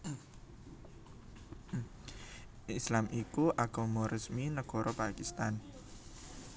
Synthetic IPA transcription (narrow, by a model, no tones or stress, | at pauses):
ʔislamikuʔaɡ̥omoɾʔəsminəɡ̥ɔ̤ɾɔpakist̪an